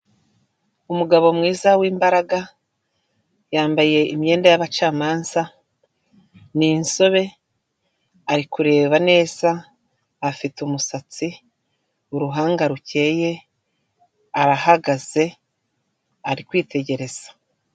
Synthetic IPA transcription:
umuɡaβo̞mŋiːzawiːmbaɾaɡa | jaːmbaje̞imje̞ːndajaβat͡ʃaːmaːnza | ninso̞βe̞ | aɾikuɾe̞ːβane̞ːzaː | fitumusat͡si | uɾuɦaːŋɡaɾuce̞je̞ | aɾahaɡaze̞ | aɾikwiːte̞ɟe̞ɾe̞z̥ḁ

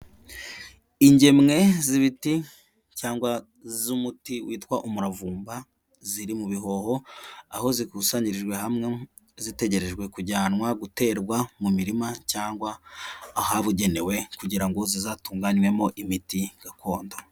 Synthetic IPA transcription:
iɲɟe̞mŋe̞ziβiti | caːŋɡwa | zumutiwiːtkwaʔumuɾavuːmba | ziɾimuβiɦo̞ho̞aho̞zikusaːɲiɾeʒɡwe̞hamŋe̞ | zite̞ɟe̞ɾe̞ʒɡwe̞kuɟaːnwaɡute̞ːɾɡwamumiɾimacaːŋɡwaː | haβuɟe̞ne̞we̞kuɟiɾaŋɡo̞zizaːtuːŋɡaɲwe̞mo̞ʔimitiɡ̥akʰo̞ːndo

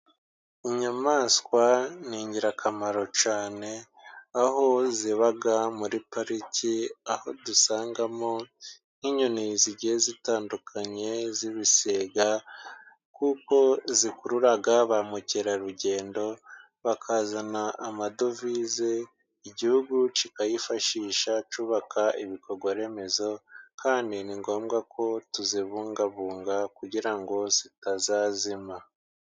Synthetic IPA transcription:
iɲamaːskwaniːɲɟiɾakʰamaɾo̞t͡ʃaːne̞ | aɦo̞ziβaɡamuɾipaɾiciaho̞dusaːŋɡamo | n̥hiɲoniziɟihezitaːndukʰaɲe̞ziβiseːɡa | kuko̞zikuɾuɾaɡaβamuceɾaɾuɟe̞ːndo̞ | βakʰazanaʔamado̞vize | iɟihuɡut͡ʃikajifaʃiːʃat͡ʃuːβakʰaʔiβikʰo̞ɾɡwaɾe̞me̞zo̞kʰaːndiniŋɡo̞ːmɡakʰo̞tuziβuːŋɡaβuːŋɡakuɟiɾaŋɡo̞z̥itazaːzima

